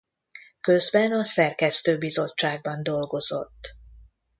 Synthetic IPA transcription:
køzbɛnɒsɛrkɛst̪øːbizo̞t͡ʃːaːɡ̚bɒnd̪o̞lɡo̞zo̞̰t̪ː

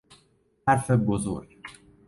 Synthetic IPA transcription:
hæɾfebozo̰ɾɟ

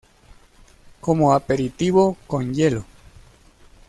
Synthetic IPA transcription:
komoapeɾit̪iβokonjelo

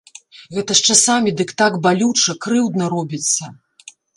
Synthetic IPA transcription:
ɣɛt̪ɐʂt͡ʂasamʲid̪ɨkt̪aɡbalʲut͡ʂɐkɾɨwd̪nɐɾɔbʲit̪sːɐ

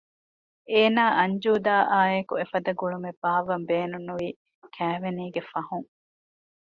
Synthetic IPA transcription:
eːnaːʔɐɲd͡ʒuːd̪aːʔaːekuefɐd̪ɐɡuɭumeb̥aːʋɐmbeːnunːuʋiː | kʰæːʋeniːɡefɐɦuŋ

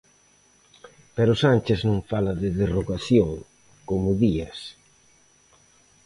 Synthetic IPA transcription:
pɛɾʊsanʲt͡ʃɪznõŋfalɐðɪðeroɣaθjoŋ | komʊðiɐs

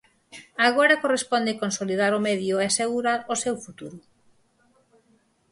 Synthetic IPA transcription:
aɣoɾakorespond̪ekonsolið̞aɾomɛðjoeaseɣuɾaɾosewfut̪uɾu

